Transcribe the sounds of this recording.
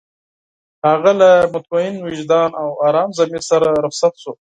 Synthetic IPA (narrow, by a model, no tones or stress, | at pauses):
haɣalamʊt̪̚maɪnwɪʒd̪ɑːnawɑːɾɑːmzamisaɾaɾʊχsat̪ʃo